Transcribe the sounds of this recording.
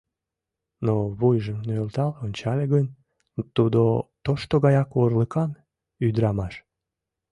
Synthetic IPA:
noβujʒəmnølt̪ɑlonʲt͡ɕɑlʲeɣənʲ | t̪ud̪ot̪oʃt̪oɣɑjɑkorləkɑn | yd̪ɾɑmɑʃ

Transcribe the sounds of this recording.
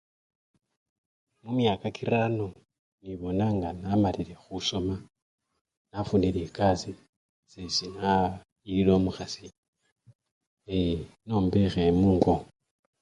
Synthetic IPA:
mumjakakiɾano | niβo̞naŋɡanamaliɾe̞xuso̞ma | nafuniɾekazi | sesina | iiɾo̞muxasi | eno̞ːmbexemuːŋɡo

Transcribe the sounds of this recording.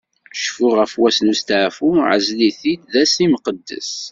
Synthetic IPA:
ʃfʊʁəfwæsnust̪əʕfuʕə̰zliθid̪ðæsiməqəd̪ːə̰s

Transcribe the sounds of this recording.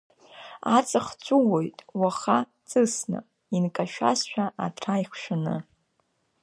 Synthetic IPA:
at͡sʼɨχt͡sʷʰʼuwo̞jtʼwaχa | t͡sʼɨsna̰ | inkʼaʃᶣa̰sʃᶣaʔatʰrajχʷʃanɨ̰

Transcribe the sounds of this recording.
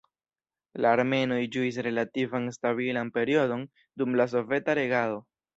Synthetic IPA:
laːɾme̞no̞id͡ʒuis̬ɾe̞lativanstaβilanpe̞ɾio̞do̞n | dumlas̬o̞ve̞taɾe̞ɡalo̞

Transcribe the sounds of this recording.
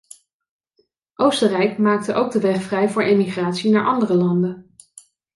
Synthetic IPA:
ʔowstərɛjkmaːk̚təʔowɡ̚dəʋɛχfrɛjvʊːɹejmiχraːtsinaːɹʔɑndərəlɑndən

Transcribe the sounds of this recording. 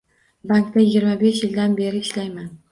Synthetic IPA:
baŋkt̪ajɪɡʲɪɾmabe̞ʃjɪld̪anbe̞ɾɪɪʃlajman

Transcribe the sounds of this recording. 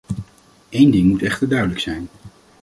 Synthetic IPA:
ejndɪŋmutɛχtəɹdœɥdələksɛjn

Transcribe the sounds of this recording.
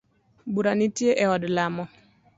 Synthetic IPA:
buɾanitjeʔɛɔdlamɔ

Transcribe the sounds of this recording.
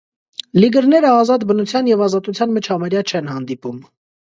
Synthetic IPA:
liɡəɾnɛɾəɑzɑt̪bənut͡sʰjɑnjɛvɑzɑt̪ut͡sʰjɑnmət͡ʃʰɑmɛɾjɑt͡ʃʰɛnhɑnd̪ipum

